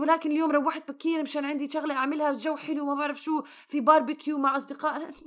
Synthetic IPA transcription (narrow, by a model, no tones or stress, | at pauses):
wɪlaːkɪnɪljoːmɾˤɑwːaħɪd̪̚bakːiːɾmɪʃaːnʕɪnd̪iʃʊɣleʔaʕmɪlhabt̪ʒawːħɪlumabaʕɾɪfʃuː | fibɑːɾˤbɪkʰjuːmaʕʔɑsˤd̪ɪqɑːʔa